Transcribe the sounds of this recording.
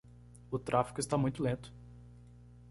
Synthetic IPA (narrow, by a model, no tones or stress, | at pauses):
ʊt̪ɾʔafi̥kʊɪst̪amũj̃t̪ʊlẽnt̪ʊ̥